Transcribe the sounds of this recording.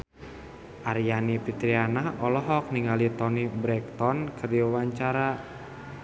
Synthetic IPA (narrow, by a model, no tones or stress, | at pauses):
ʔaɾijanipit̪ɾianahɔlɔɦɔk̚niŋɡalit̪ɔnibɾɛk̚t̪ɔnkʰərdiawaɲt͡ʃaɾa